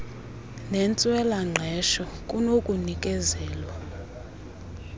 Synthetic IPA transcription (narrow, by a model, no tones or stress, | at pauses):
nɛnt͡sʼwɛlaŋ͡ǃʱɛʃɔkʼunokʼunikʼɛzɛːlwa